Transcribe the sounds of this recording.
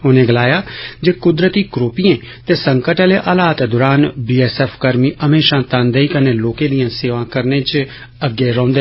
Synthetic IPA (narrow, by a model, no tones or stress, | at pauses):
ʊnẽːɡəlaːjaːd͡ʒeːkʊd̪ɾət̪iːkɾoːpijẽː | t̪eːsə̃ŋkəʈəleːʔaːlaːt̪d̪ʊːɾaːnbiːɛːsɛːpʰkəɾmiːʔəmeːʃãːt̪ãːnd̪eːiːkəneːloːkẽːd̪ɪijãːseːʋãːkəɾnẽːt͡ʃ | əɡːeːɾɔ̃ːnd̪e